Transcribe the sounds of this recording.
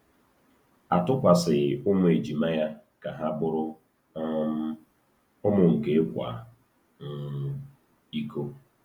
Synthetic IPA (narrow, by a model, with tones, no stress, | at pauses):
a˨tʊ˦kʷa˨sɪ˨ʊ˦ŋʷʊ˦e˨d͡ʒi˨ma˦ja˦ | ka˨ɦa˦bʊ˦ɾʊ˦ | ʊ˦mʊ˨ŋ̩˨ke˦kʷa̰˨ | ŋ̩˨ | i˦ko˦